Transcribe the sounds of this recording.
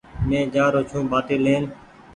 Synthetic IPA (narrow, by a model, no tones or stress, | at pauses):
mẽːd͡ʒaːɾoːt͡ʃʰũːbaːʈeːleːn